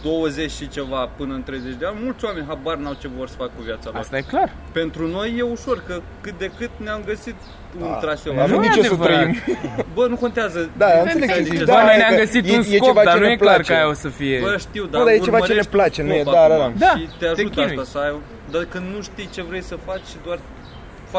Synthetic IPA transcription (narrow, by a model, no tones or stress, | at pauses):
d̪̥o̞wəze̞t͡ʃʲʃit͡ʃe̞vapɨnəɨnt̪ɾe̞jzet͡ʃʲd̪eanʲmult̪sʲoame̞nʲɦabarnawt͡ʃevo̞rsə̥fakkːuvjat̪salast̪ajeklar | pe̞nt̪ɾuno̞jːe̞uʃo̞rkə | kɨt̪̚d̪e̞kɨt̪̚neamɡəsit̪ | unɾasevaemd̪it͡ʃesəɾəimbənuko̞nt̪eazəd̪aameleied̪aameeaɡəsitjensjjekoevat͡ʃ̪aenuejeplaɾt͡ʃajosəfijebəʃt̪iwd̪aod̪ajet͡ʃevat͡ʃeneplat͡ʃenujed̪aɾaad̪ait̪eaʒut̪ast̪asəaj | d̪akɨnd̪nuʃt̪ijt͡ʃe̞vɾe̞jsəfat͡ʃʲʃid̪oar | fa